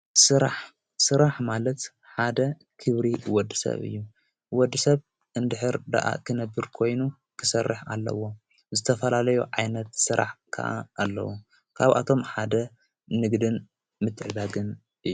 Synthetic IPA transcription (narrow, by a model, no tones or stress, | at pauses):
sɨɾaħ | sɨɾaħmalɐt̪ | ħad̪ɐ | kʰɨβɾiwɔd̪ːisɐ̰βɨ̰jːu | wɔd̪ːɨsɐβ | ʔɨnd̪ɨħɨɾd̪a̰ʔa̰kʰɨnɐbːɨɾkʰo̞jnu | kʰɨ̥sɐrːɨħalːɐ̰wo̞ | zɨt̪ʰɐfɐlalɐjuʕajnɐt̪sɨɾa̰ħkʰɐ̰ʔa̰ːlːɐ̰wu | kʰaβʔa̰t̪ʰo̞mħad̪ɐ | nɨɡd̪ɨn | mɨt̪ʰʼʕɨd̪aɡɨn | ʔɨjːu